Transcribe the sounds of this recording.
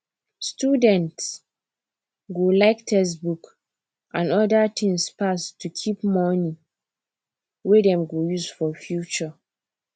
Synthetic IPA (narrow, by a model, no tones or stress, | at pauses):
stjudɛ̃nts | ɡolaɪktʰɛs̬buk | ʔãnɔdatʰĩŋspastʰːukʰipmɔni | wedɛ̃mɡojusfɔfjut͡ʃɔ